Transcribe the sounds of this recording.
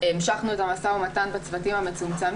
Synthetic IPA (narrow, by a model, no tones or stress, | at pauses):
emʃaχnuetamasaʁmatanbat͡svatimhame̞t͡sumt͡sam